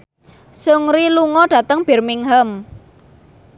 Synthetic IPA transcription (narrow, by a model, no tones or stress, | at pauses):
sʊŋɾiluŋɔɖ̥ä̤t̪əŋb̥e̤rmɪŋɦəm